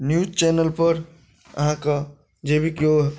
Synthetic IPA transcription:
njud͡ʒt͡ʃɛːnəlpəɾ | ə̰ɦãka | d͡ʒebʱikioɦ

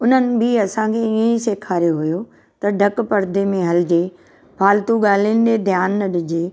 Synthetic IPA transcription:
ʊn̤ənɪ̆bɪɐsãkʰeiẽseːkʰaːɾjoɦʊjo | t̪ɐɖʱɐkpɐɾd̪ʱemẽɦɐlɪd͡ʑeː | bʱaːlt̪uɠaːlinɪ̆d̪ed̪ʱjaːnːɐɗɪd͡ʑeː

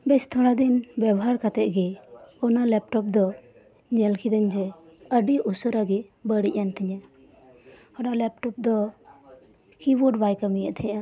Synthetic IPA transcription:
bɛst̪ʰɔɽ̃ad̪inbɛbɔɦaɾkat̪ɛʔ̪̚ɡɛɔnalɛp̚ʈɔp̚d̪ɔ | ɲɛlkʰid̪əɲd͡ʒɛəɖiʔusɔɾaɡɛbəɽiʔant̪ʰɛɲa | ɔnalɛp̚ʈɔp̚d̪ɔ | kiwɔɖbajkamijaʔt̪ʰɛʔa

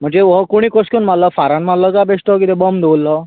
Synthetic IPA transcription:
m̤əɳd͡zeʋɔkoɽ̃iːkoskonmalɔfaɾanmallɔkabeʂʈɔkit̪ɛbəmd̪eulːɔ

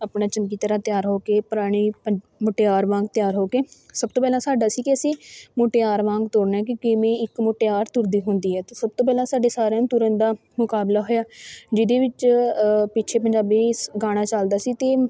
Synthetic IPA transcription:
aːpɳaːt͡ʃəmkiːt̪əɾãːt̪ɪjaːɾɦoːkeːpʊɾaːɽ̃iː | moːʈeːaːɾʋãːɡ̚t̪ɪjaːɾɦoːkeːsəb̚t̪oːpɛːlãːsaːɖaːsiːkɪəsĩːmoːʈeːaːɾʋãːŋɡt̪oːɾnaɛːk̬ɪkɪmẽːɪkmoːʈeːaːɾt̪ʊɾd̪iːɦʊnd̪iːɦɛːt̪eːsəb̚t̪oːpɛːlãːsaːɖeːsaːɾeãnt̪ʊɾənd̪aː | mʊkaːblaːɦoːjaːd͡ʒɪd̪eːʋɪt͡ʃ | pɪt͡ʃʰeːp̬əɲd͡ʒaːbiːɡaːɽ̃aːt͡ʃald̪aːsiːt̪eː

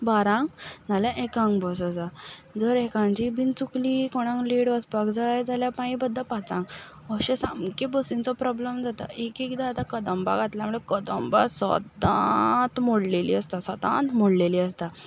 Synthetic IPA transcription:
baɾãŋɡnaljãʔekãŋɡbɔs̬əd͡zad͡zəɾekãnt͡ɕibʱint͡sukliːkoɽ̃ãŋkliɽʋəspakd͡zajd͡zaljapajĩbəd̪ʱːapat͡sãŋɡ | əɕesamkẽbɔsiŋt͡sɔpɾɔbləmd͡zat̪a̰ʔekikd̪aːt̪akəd̪əmba̰ɡʱat̪ljaməɭekəd̪əmba̰sə̰d̪ã̰t̪moɽlelḭəst̪asəd̪ã̰nt̪moɽleliːəst̪a

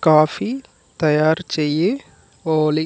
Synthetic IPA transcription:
kaːfi | t̪ɐjaːɾt͡ʃeje | oːli

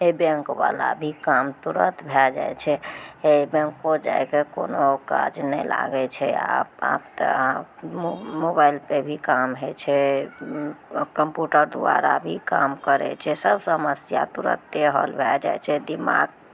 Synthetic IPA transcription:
ebeŋkʋalabʱikamt̪uɾət̪bʱɛd͡ʒa̰jt͡ʃʰɛebẽŋkod͡ʒajkekonokad͡ʒnɛjla̰ɡɛt͡ʃʰɛaa̰pt̪ã | mobailpebʱikamɦet͡ʃʰɛ | kəmpjuʈəɾd̪uaɾabʱikamkəɾɛ̰t͡ʃʰɛsəbʱsəməsjat̪uɾə̰t̪ːeɦə̰lbʱɛld͡ʒajt͡ʃʰɛd̪ima̰ɡ

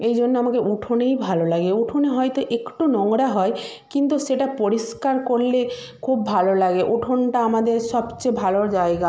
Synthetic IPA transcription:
ejd͡ʑʱonːeamakeʔuʈʰonejbʱalolaɡeuʈʰoneɦɔet̪oʔekʈunɔŋɾaɦɔe | kint̪uʃeʈapoɾiskaɾkoɾle | kʰubːʱalolaɡeʔuʈʰonʈaamad̪eɾʃɔbt͡ɕebʱaloɾd͡ʑaeɡa

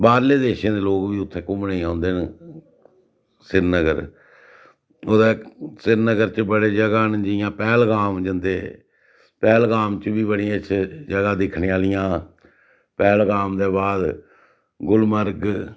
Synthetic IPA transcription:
baːɾleːd̪eːʃẽːd̪eːloːkʋiːʊt̪ʰːẽːkʊmneːãːnd̪eːn | sɪɾnəɡəɾ | oːd̪eːsɪɾnəɡəɾt͡ʃbəɽeːd͡ʒəɡaːnd͡ʒɪjãːpɛːlɡaːmd͡ʒənd̪eː | pɛːlɡaːmt͡ʃəbiːbəɽiãːɪt͡ʃʰd͡ʒəɡaːd̪ɪkʰneːaːlɪjãː | pɛːlɡaːmd̪eːbaːd̪ | ɡʊlməɾɡ

